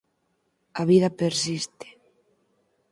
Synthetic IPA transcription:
aβiðapeɾsist̪e̥

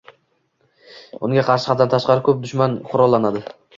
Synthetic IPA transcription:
ʊŋɡʲaqʰɑɾʃɪ̥hɑt̪ant̪ʰaʃqɑɾɪkʲʰɵp̚d̪ʊʃmanqʰʊɾɒlˠːanad̪ɪ

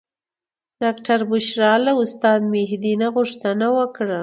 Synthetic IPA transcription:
ɖ̥ɑkʈaɾbʊʃɾɑlaʊst̪ɑd̪meɦd̪inaɣʊʂt̪anawəkɽa

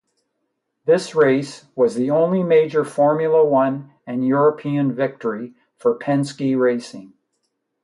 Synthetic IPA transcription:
ðɪsɹeɪswʌzðiõʊ̃nlimeɪd͡ʒə˞fɔɹmjl̩ˠəwʌ̃n | ɨ̃njʊɹɨpʰiɨ̃nvɪk̚tʰə˞i | fə˞pʰɛ̃nskiɹeɪsɪ̃ŋ

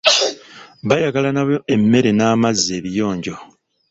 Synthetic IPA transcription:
βajaɡalanaβo̞e̞mːe̞ɾe̞naːmazːeːβijo̞ːɲɟo̞

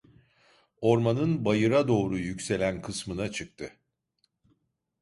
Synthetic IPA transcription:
o̞ɾmanɯnbajɯɾad̪o̞ːɾujycse̞lʲænkʰɯsmɯnat͡ʃʰɯk̚t̪ʰɯ

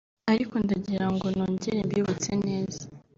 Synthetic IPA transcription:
aɾiko̞ndaɟiɾaŋɡo̞noːɲɟiɾembiuβut͡sene̞ːza

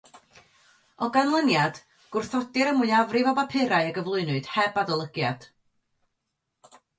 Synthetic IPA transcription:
ɔɡanlˠənjad̥ | ɡ̥ʊrθɔdɨɾəmʊɨavrɪvɔbapʰɪɾaɨəɡəvlˠʊɨnʊɨɨd̥hɛbadɔlˠəɡjad̥

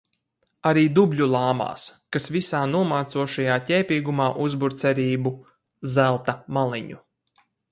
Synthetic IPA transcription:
aɾiːd̪ubʎʲulˠaːma̰ːskasvisaːnuɔmaːt̪suɔʃajaːtʲɛːpʲiːɡumaːʔuzbuɾt̪sɛɾiːbu | zælˠt̪amalˠiɲṵ

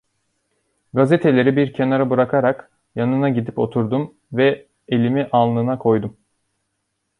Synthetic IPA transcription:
ɡazet̪ʰe̞lʲe̞ɾibiɾcʰe̞naɾabɯɾakʰaɾak | janɯnaɟid̪ipo̞t̪ʰuɾd̪um | vɛ | elʲimiʔanlˠɯnakʰo̞jd̪um

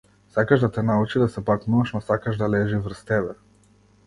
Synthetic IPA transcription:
sakaʒd̪at̪ɛnaut͡ʃid̪asɛpaknuaʃnɔsakaʒd̪alɛʒivr̩st̪ɛbɛ

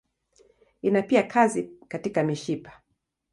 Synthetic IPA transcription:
inapiakʰazikatikamiʃipḁ

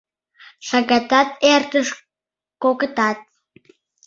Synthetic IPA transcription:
ʃɑɡɑt̪ɑt̪̚ert̪əʃ | kokət̪ɑt̪̚

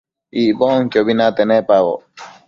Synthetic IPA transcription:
ibɔŋ̩kjobinat̪ɛnɛpawɔ̰

